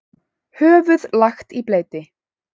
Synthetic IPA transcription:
hœːvʏðlaxt̪ipleːjt̪ɪ

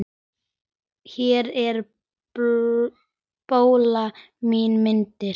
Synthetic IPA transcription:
çɛɾɛɾ | poːwla | miːnmɪnt̪ɪɾ

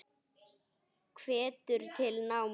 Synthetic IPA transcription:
kʰvɛːt̪ʏɾ̥t̪ʰɪlnawm

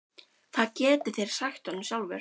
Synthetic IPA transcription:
θaðcɛːt̪ʏθejɾ̥sajxt̪ɔnʏmsjawlvɛ̰ɾ

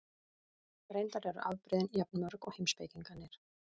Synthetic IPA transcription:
ɾejnt̪aɾɛɾʏ̰ʔa̰wpɾɛðnjap̚nmœɾkɔhemspejc̪iŋkanːɪɾ̥

